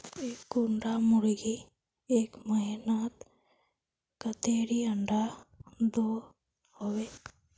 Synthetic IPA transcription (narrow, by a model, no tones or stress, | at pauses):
eːkːʊɳɖamʊɾɡi | eːkməɦinaːt̪ | kət̪eːɾiɐɳɖad̪oː | hoʋe